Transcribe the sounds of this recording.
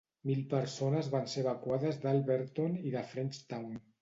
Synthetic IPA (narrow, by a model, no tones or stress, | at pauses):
milˠpəɾsonəzβanseɾβakwaðəzðalˠβɛɾt̪oniðəfɾɛnt͡ʃt̪awn